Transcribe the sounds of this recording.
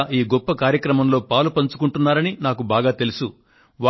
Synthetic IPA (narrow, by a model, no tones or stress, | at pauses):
ʔiːɡɔpːɐkaːɾjɐkɾɐmɐmlo̞ːpaːlupɐɲt͡ʃu̥kuɳʈunːaːɾɐninaːkubaːɡaːt̪e̞lusu | ʋa